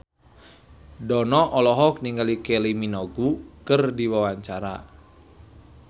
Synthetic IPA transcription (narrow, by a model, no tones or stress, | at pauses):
dɔnɔʔɔlɔɦɔk̚niŋɡalikeliminɔɡukɨrdiwawaɲt͡ʃaɾa̰